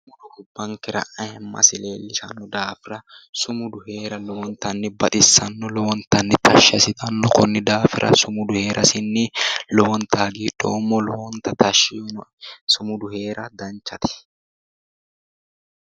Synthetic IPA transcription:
mʊd̪ʊɡʊbːɐŋkɪɾɐ̰ʔɐhɛmːɐ̰sɪleːlːɪʃɐnːɔd̪aːfɪɾɐ | sʊmʊd̪ʊhe̞ːɾɐlɔwɔnt̪ɐnːɪbɐt̪ʼɪsːɐnːɔlɔwɔnt̪ɐnːɪt̪ʰɐʃːɐsɪt̪ɐnːɔkɔnːɪd̪aːfɪɾʔɐ̰sʊmʊd̪ʊheːɾʔɐsɪnːɪlɔwɔnt̪ɐhɐɡiːᶑo̰ːmːɔlɔwɔnt̪ɐt̪ɐʃinsʊmʊd̪ʊhe̞ːɾɐd̪ɐnt͡ʃːɐt̪ɪ̥

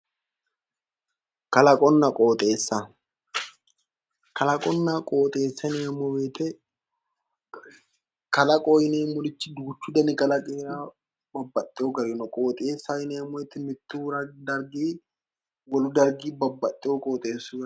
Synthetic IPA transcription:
kɐlɐkʼɔnːɐkʼo̞ːt̪ʼe̞ːsːɐ | kɐlɐkʼɔnːakʼoːt̪ʼe̞ːsːɐnɪɐmːɔbeːt̪ɛ | kɐlɐkʼɔjneːmːɔlɪt͡ʃːɪd̪uːt͡ʃːʊd̪ɐnɪkɐlɐkʼeːɾaː | bɐbːɐt̪ʼːɪjɔɡɐɾɪnɔkʼo̞ːt̪ʼeːsːɐjɪneːɐmːɔɛt̪ːɪmɪt̪ːuːɾɐd̪ɐɾɡiː | wɔlʊd̪ɐɾɡiːbɐbːɐt̪ʼːɪjɔkʼoːt̪ʼe̞ːsːʊ

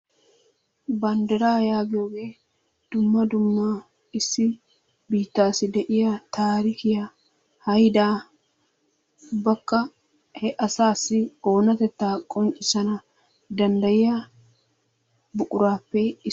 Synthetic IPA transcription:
bɐnd̪ɛɾaːjaːɡɪjoːɡe̞ː | d̪̥ʊmːɐd̪ʊmːaː | ɪsːɪ | biːt̪ːaːsɪd̪ɛʔɪjɐt̪aːɾɪkɪjɐ | hɐjd̪aː | bɐkːɐ | hɛʔɐsaːsːɪo̞ːnɐt̪ɛt̪ːaːkʼɔnt͡ʃʼɪsɐnɐ | d̪ɐnd̪ɐjɪjɐ | bʊkʼʊɾaːpːeɪ

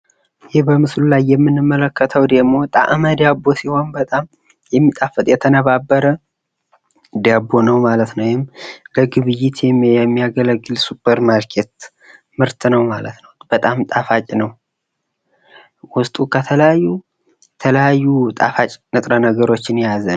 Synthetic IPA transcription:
jɪhbəmɨslulajːɛmːɨnːɨmːələkːət̪ʰəwd̪əmo̞t̪ʼa̰ʔməd̪jabːo̞siho̞nbət̪ʼam | jɛmːit̪ʼafət̪ʼjɛt̪ʰənəβabːəɾə | d̪abːo̞nəwmalət̪nəwjɪmləɡɨβɨjːɪt̪ʰjɛjɛmːijaɡələɡːɨlsupʼʰːəɾmaɾkʰet̪ | mɨɾt̪ʰnəwmalə̰t̪nəwb̥ət̪ʼamt̪ʼafat͡ʃʼnəw | wʊst̪ʼukʰət̪ʰələjajːu | jt̪ʰələjajːut̪ʼafat͡ʃʼnɨt̪ʼɾənəɡəɾo̞t͡ʃːɪnjazə

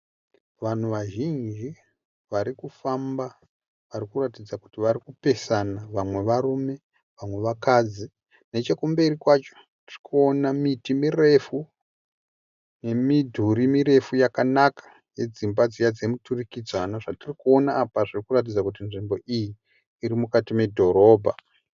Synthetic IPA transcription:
ʋan̤uʋaʒind͡ʒi | ʋaɾikufamba | ʋaɾikuratid͡zaku̥tiʋaɾikupe̞sanaʋamwe̞ʋaɾume̞ | ʋamwe̞ʋakad͡zi | ne̞t͡ʃekumberikwat͡ʃo̥ | tirikuonamitimire̞fu | ne̞midʱuɾimire̞fujakanakḁ | je̞d͡zimbad͡zijad͡ze̞muturikid͡zanoʐatirikuo̞naʔːpaʐirikurat̬id͡zakutinʐimbo̞ʔijiː | ɾimukatime̞dʱo̞ɾo̞ːbʱa̰

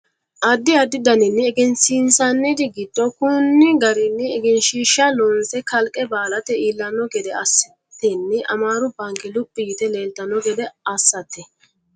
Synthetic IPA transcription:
ʔɐd̪ːɪɐd̪ːɪd̪ɐnɪnːɪɛɡɛnsɪnsɐnːɪd̪ɪɡɪd̪̥ːɔkʊnːɪɡɐɾɪnːɪɛɡɛnʃiːʃːɐlɔnsɛkɐlkʼːɛbaːlɐt̪ɛiːlːɐnɔɡɛd̪ɛɐsːɪ̥ | t̪ːɛnːɪʔɐmaːɾʊbɐŋkɛlʊpʼːɪjt̪ɛleːlt̪ːɐnɔɡɛd̪ɛɐsːɐt̪ːɛ

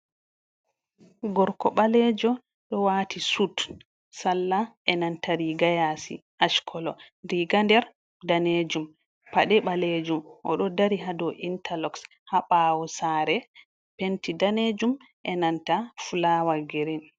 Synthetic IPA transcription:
ɡɔɾkɔɓalɛd͡ʒɔ | ɗɔwaːtʰisut | salːaʔɛnantaɾiɡajasḭʔaʃkʰɔlɔ | ɾiɡandɛɾ | daned͡ʒum | paɗɛɓaled͡ʒumʔɔ̰ɗɔdaɾiɦadɔʔintʰalɔks | haɓawɔsaɾɛ | pentidaned͡ʒum | ʔɛnantafulawaɡeɾin

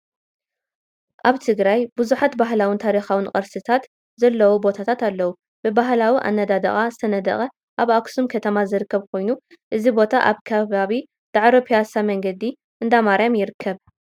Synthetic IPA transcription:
ʔaβt̪ʰɨɡɾajb̥ɨzuħat̪baɦlawɨnt̪ʰaɾixawɨnkʼɐɾsɨt̪ʰat̪ | zɐlːɐwubo̞t̪ʰat̪ʰat̪alːɐwu | bɨbaɦlawiʔa̰nːɐd̪ad̪ɐ̰χʼazɨt̪ʰɐnɐd̪ɐ̰χʼɐ | ʔaβaksumkʰɐt̪ʰɐmazɨɾɨkːɐβkʰo̞jnu | ʔɨzibo̞t̪ʰaʔaβkʰɐβaβi | d̪̥aʕɾopʰjasamɐŋɡɐd̪i | ʔɨnd̪amaɾjamjɪɾɨkʰːɐβ

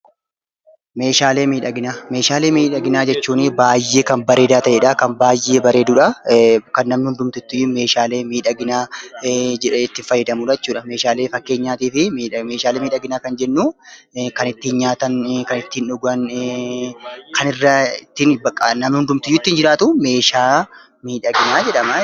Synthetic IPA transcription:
me̞ːʃaːleːmiːᶑɐɡɪnaːme̞ːʃaːle̞ːmiːᶑɐɡɪnaːd͡ʒɛt͡ʃːuːnɪbaːjːe̞ːkɐmbɐɾe̞ːd̪aːt̪ɐʔeᶑɐkɐnbaːjʔe̞ːbɐɾe̞ːd̪uᶑɐkɐnːɐmnɪhʊnd̪ʊmt̪ʊt̪ːʊjːʊme̞ːʃaːle̞ːmiːᶑɐɡɪnaː | d͡ʒɛᶑɛɪt̪ːɪnfɐjːɐd̪ɐmuːᶑɐɛt͡ʃːuːᶑɐme̞ːʃaːle̞ːfɐkːe̞ːɲːaːt̪iːfɪmːme̞ːʃaːlemiːᶑɐɡɪnaːkɐnd͡ʒɛnːuːkɐnɪt̪ːɪnɲaːt̪ɐnkɐnɪt̪ːɪnʊɡʊɐn | kʰɐnɪrːɐɪt̪ːɪnbɐkʼːɐnɐmnɪhʊnd̪ʊmt̪ʊjːʊt̪ːɪnd͡ʒɪɾaːt̪ʊme̞ːʃaː | miːᶑɐɡɪnaːd͡ʒɛᶑɐmɐ

